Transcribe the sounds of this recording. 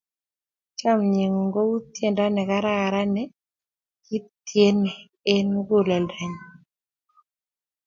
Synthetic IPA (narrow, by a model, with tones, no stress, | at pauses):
t͡ʃa˦mɲi˨ŋ˨ɡo˦u˦t̪je˨nda˦nɛ˨ka˦ɾa˦˨ɾa˦nɛ˨˦ | ki˦t̪je˦ne˨ | e˦nɡo˦˨la˨lɛ˨ɲ˨